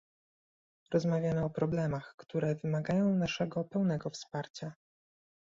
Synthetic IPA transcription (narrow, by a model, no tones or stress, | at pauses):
ɾɔzmavʲjamɘɔpɾɔblɛmaxkt̪uɾɛvɘmaɡajɔ̃w̃naʂɛɡɔpɛwnɛɡɔfspaɾt͡ɕa